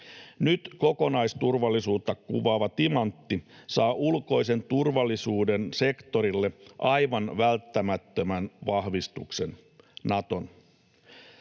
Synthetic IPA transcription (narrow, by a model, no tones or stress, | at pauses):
nyt̪ko̞konɑjst̪urʋɑlːisuːt̪ːɑkkṵʋɑːʋɑt̪imɑnt̪ːisɑːʔulko̞jse̞nt̪urʋɑlːisuːdense̞kt̪o̞ɾilːeʔɑjʋɑnʋælt̪ːæmæt̪ːømænʋɑhʋist̪uksen | nɑt̪o̞̰n